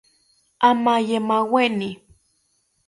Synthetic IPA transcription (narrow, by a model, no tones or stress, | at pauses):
amajemaweni